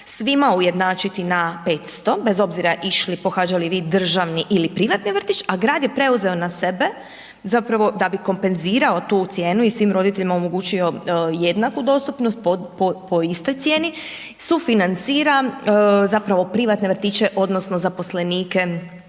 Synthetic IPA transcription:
sʋimauje̞d̪naːt͡ʃit̪inape̞ːt̪st̪o̞be̞zo̞bziɾaʔiʃlipo̞xaːd͡ʒaliʋiːd̪r̩ʒaʋniʔilipɾiʋat̪niʋr̩t̪it͡ʃaɡɾaːd̪je̞pɾe̞uze̞o̞nase̞be̞ | zapɾaʋo̞d̪abiko̞mpe̞nziːɾao̞t̪uːt̪sje̞ːnuisʋiːmɾo̞d̪it̪e̞ʎimaomoɡuːt͡ʃio̞je̞d̪nakud̪o̞st̪upno̞st̪̚popopoist̪o̞jt̪sʲje̞ːni | sufinant̪siːɾazapɾaʋo̞pɾiʋat̪neʋr̩t̪it͡ʃe̞ʔo̞d̪no̞sno̞zapo̞sle̞niːke̞

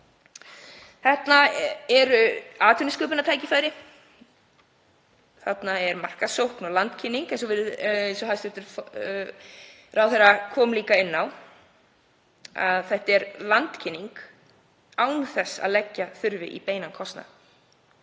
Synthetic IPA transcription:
θɛht̪naɛɾʏaːt̪ʰʏnɪskœːpʏnat̪ʰaːjcɪfaːjɾɪ | θat̪naɛɾmar̥kasowhknɔlant̪cʰɪnːiŋkɛns̬ɔvɪɾɪnsɔhast̪vɛht̪ːʏɾf | raːwθɛrakʰɔːmliːkaɪnːaw | a̰ðθɛht̪ɛɾlant̪cʰɪnːiŋk | aːwnθɛsːa̰ðlɛcːaθʏɾvɪʔḭpeːjnankʰɔst̪na̰

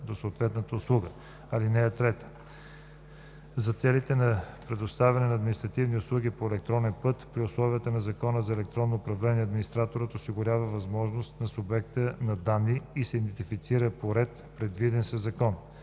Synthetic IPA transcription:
d̪osoːt̪vɛt̪nət̪əʊslˠuɡə | ɐlinɛːt̪ɾɛt̪ə̥ | zɐt̪sɛlit̪ɛnɐpɾɛd̪ost̪avɛnɛnɐːd̪minist̪ɾɐt̪ivniʊslˠuɡipoɛlɛk̚t̪ɾɔnɛnpɤt̪pɾiʊslˠɔviət̪ənɐzɐkɔnəzɐɛlɛk̚t̪ɾɔnːoːpɾɐvlɛniɛɐd̪minist̪ɾat̪oɾət̪osiɡʊɾʲavəvɐzmɔʒnost̪nɐsʊbɛk̚t̪ənɐd̪anːiisɛid̪ɛnt̪ifit̪siɾəpoɾɛt̪pɾɛd̪vid̪ɛnsəzɐkɔn

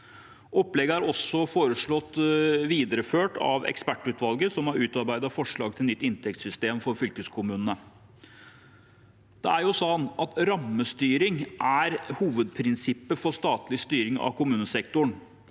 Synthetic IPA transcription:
ʔɔplɛɡəæɾɔsːɔfoːɾəʂɭɔt̪ːʋiːd̪əɾəføːʈɑ̰ʋɛ̰kspæʈːʉt̪ʰʋɑlɡəsɔmhɑɾʉːt̪ɑɾbæɪd̪ɑfɔʂɭɑːɡ̚t̪ʰɪlnʏt̪ːɪnt̪ʰɛkt̪sʏst̪eːmfɔɾfʏlkəskʰʊmʉːnənə | d̪̥ɛæɾjʊsɑnɑt̪ɾɑmːəst̪yːɾɪŋʔæɾhuːʋəd̪̚pʰɾɪnsɪpːəfɔʂt̪ɑːt̪lɪst̪yːɾɪŋɑ̰kʊmʉːnəsɛkt̪ʊɳ

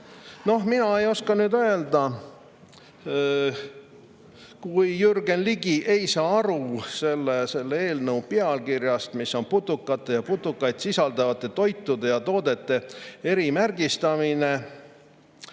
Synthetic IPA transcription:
no̞ɦminɑe̞jo̞skɑnyːd̪øe̞ld̪ɑ | kujːyrɡenliɡiʔe̞jsɑːɑɾuse̞lːese̞lːee̞ːlnɤwpeɑlkirjɑst̪misːo̞nput̪ːukːˑɑt̪ːˑe̞jɑput̪ːukːˑɑjd̪̥sisɑld̪̥ɑvɑt̪ːˑe̞t̪o̞jt̪ːˑud̪e̞jɑt̪o̞ːd̪e̞t̪ːe̞e̞ɾimærɡ̥ist̪ɑmine

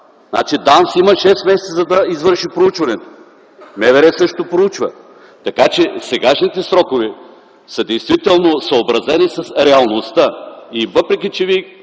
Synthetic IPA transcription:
zna̰t͡ʃid̪ansiməʃɛsmɛsɛt̪əzɐd̪ɐizvɤɾʃipɾout͡ʃvɐnɛt̪o̥ | mɛvɛɾɛsɤʃt̪opɾout͡ʃvɐ | t̪ɐkat͡ʃɛsɛɡaʃnit̪ɛsɾɔkovɛ | səd̪ɛjst̪vit̪ɛlˠnosɐobɾɐzɛnisɐsɾɛɐlˠnost̪əivɤpɾɛk̬ʲit͡ʃɛvi

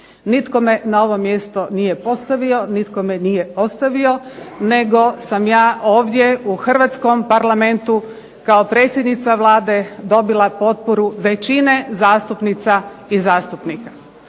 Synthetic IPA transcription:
nit̪ko̞me̞nao̞ʋo̞mje̞st̪o̞nije̞po̞st̪aʋio̞nit̪ko̞menije̞o̞st̪aʋio̞ne̞ɡo̞samjaːo̞ːʋd̪je̞uxr̩ʋat̪sko̞mpaɾlame̞nt̪u | kaopɾe̞ːt̪sʲjed̪nit̪saʋlˠaːd̪e̞d̪o̞bilˠapo̞t̪̚poɾuʋe̞t͡ʃine̞zaːst̪upnit̪saizaːst̪upnika

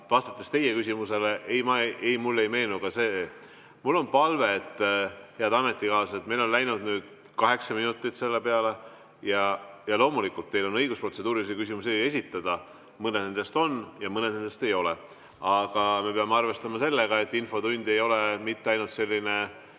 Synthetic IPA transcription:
vɑst̪ɑ̥t̪ːˑest̪e̞jekysimuse̞leʔejmɑʔejmulːe̞jme̞ːnukɑse | mulːo̞npɑlve̞t̪ːˑheɑd̪ɑme̞t̪ːˑikɑːset̪me̞jlo̞nlæjnud̪nyːd̪̥ | kɑɦe̞ksɑminut̪ːˑit̪se̞lːe̞peɑle̞ | jɑjɑlo̞ːmulikːˑult̪ːe̞jlo̞nɤjɡuspro̞t̪se̞d̪uːɾilisikys̬imus̬ie̞sit̪ːˑɑd̪̥ɑ | mɤne̞d̪ne̞nd̪̥e̞st̪o̞njɑmɤne̞d̪nend̪e̞st̪e̞jo̞le | ɑɡ̥ɑme̞peɑmeɑrve̞st̪ɑmɑse̞lːeɡ̥ɑe̞t̪ːinfo̞t̪unʲd̪e̞jo̞le̞mit̪ːeɑjnult̪se̞lʲːine̞

